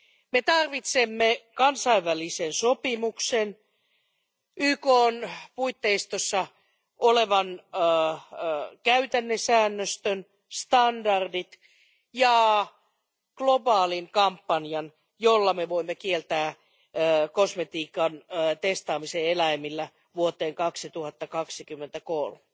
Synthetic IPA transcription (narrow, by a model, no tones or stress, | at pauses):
met̪ɑrʋit̪semːekɑnsɑiʋʋælisensopimuksen | ʔyːkoːnpuit̪ːeist̪osːɑ | ʔoleʋɑn | kæyt̪ænːesæːnːøst̪øn | st̪ɑndɑrdit̪ | jɑ | ɡ̥lobɑːliŋkɑmpːɑnjɑn | jolːɑmeʋoimːekielt̪æː | kosmet̪iːkɑnt̪est̪ɑːmiseelæimːilːæ | ʋuot̪eːŋkɑksit̪uhɑt̪ːɑkɑksikymːent̪ækolme